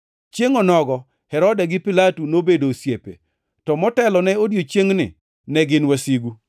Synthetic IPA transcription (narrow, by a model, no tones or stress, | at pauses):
t͡ʃjeŋɔnɔɡɔ | hɛɾɔdɛɡɪpɪlatunobedosjepḛ | tɔmɔtɛlɔnɛodjot͡ʃjeŋnɪ̰ | nɛɡɪnwasiɡu